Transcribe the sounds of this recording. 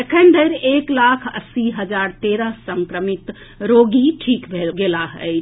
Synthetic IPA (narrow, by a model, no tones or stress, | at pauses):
ekʰənd̪əjɾeklakʰə̰siɦəd͡ʒaɾt̪eɾəɦsəŋkɾəmit̪ | ɾoɡiʈʰikbʱeɡelaɦə̰ɪ